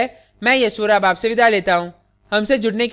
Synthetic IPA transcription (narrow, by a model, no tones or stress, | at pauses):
ɛ | mɛ̃ːjɐsuɾaːbaːpseʋɪd̪ʱaleːt̪aɦũː | hɐmsed͡ʒʊɽnek